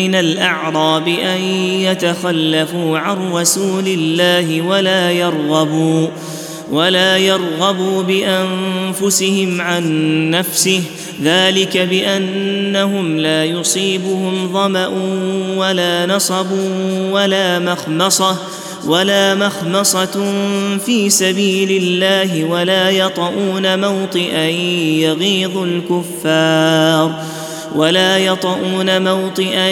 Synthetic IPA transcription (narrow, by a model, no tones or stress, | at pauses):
ɪnalʔɑʕɾˤɑːbɪʔajjat̪axalːafuːʕanrˤɑsuːlɪlːaːhɪwalaːjɑɾˤɣɑbuː | walaːjɑɾˤɣɑbuːbɪʔamfʊsɪhɪmʕanːafsɪh | ðaːlɪkabɪʔanːaɦʊmlaːjʊsˤiːbʊhʊmðˤɑmaʔʊwalaːnɑsˤɑbuːwalaːmɑxmɑsˤɑ | walaːmɑxmɑsˤɑ | fiːsabiːlɪlːaːɦɪwalaːjɑt̪ˤɑʔuːnamawt̪ˤɨʔajaɣiːðˤʊlkʊfːɑːɾˤ | walaːjɑt̪ˤɑʔuːnamawt̪ˤɨʔa